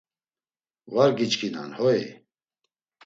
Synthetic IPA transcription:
vaɾɡit͡ʃkʰina̰nhɔi

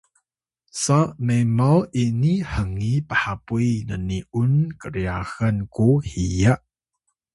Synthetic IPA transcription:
samemawʔiniħəŋipəħapujnəniʔunkəɾiaxankuhijaʔ

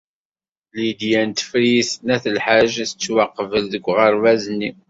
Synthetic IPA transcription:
lid̪jænt̪ə̥fɾisnæθəlħaʒæθət͡sːwaqːvəlðəɡʷːʁəɾvæznːi

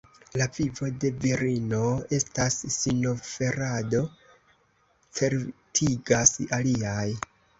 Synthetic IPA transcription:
lavivo̞de̞viɾino̞e̞stasːino̞fe̞ɾado̞ | t͡se̞ɾtʰiɡasaliaj

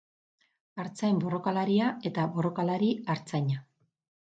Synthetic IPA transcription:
aɾt͡saembo̞ro̞kalaɾiae̞t̪abo̞ro̞kalaɾiaɾt͡saɲa

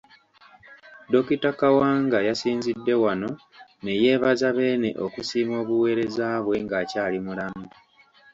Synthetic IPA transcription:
do̞kitakawaːŋɡajasiːnzidːe̞wano̞ | ne̞je̞ːβazaβe̞ːne̞̰ʔo̞kusiːmo̞ːβuwe̞ːɾe̞zaːβwe̞ŋɡaːcaːlimulamu

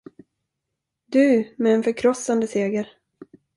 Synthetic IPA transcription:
d̪ɵmɛːnfœɾkʰɾɔsːand̪əseːɡəɾ

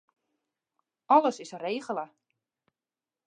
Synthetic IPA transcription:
ɔləsɪsreːɣələ

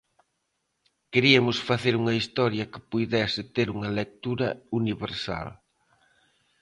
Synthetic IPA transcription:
keɾiɐmʊsfaθeɾuŋɐist̪ɔɾjɐkɪ̥puðɛsɪt̪eɾuŋɐlek̚t̪uɾɐ̰uniβeɾsa̰l

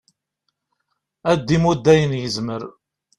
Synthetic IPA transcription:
æd̪ːimud̪ːæjənjəzməɾ

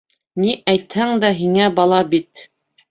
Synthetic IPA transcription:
niʔæjt̪hæŋd̪æɦiŋæbɑlˠɑbit̪

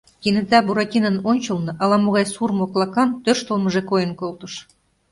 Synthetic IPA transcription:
kʲinɘ̆t̪æbuɾɑkʲinə̆nonʲt͡ɕɤ̆lnɤ̆ʔɑlˠɑmoɣɑjsurmoklˠɑkɑnt̪ørʃt̪olmɤ̆ʒekojə̆nkolt̪ɤ̆ʃ

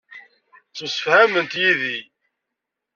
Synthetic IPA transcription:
t͡sːusəfhæmənt̪jiði

